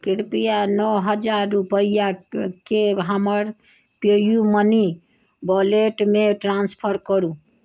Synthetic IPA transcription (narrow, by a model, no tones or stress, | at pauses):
kiɾpijanɔɦəd͡ʒaɾːupəjakeɦəməɾ | pejuməni | bɔleʈmeʈɾanspʰəɾkəɾũ